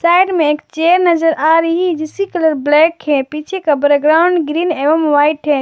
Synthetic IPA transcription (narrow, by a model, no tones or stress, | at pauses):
sajɖmẽekt͡ʃeɾnəd͡ʒəɾʔaɾəɦid͡ʒisikələɾblɛkɦɛ̃pit͡ʃʰekabəɾɡɾaʊɳɖɡɾineʋəmʋaɪʈɦɛ̃